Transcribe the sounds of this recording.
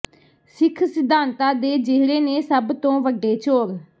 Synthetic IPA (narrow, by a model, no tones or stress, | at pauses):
sɪkʰsɪd̪ʱaːnt̪aːd̪eːd͡ʒeːɽeːneːsəbt̪õːʋəɖːeːt͡ʃoːɾ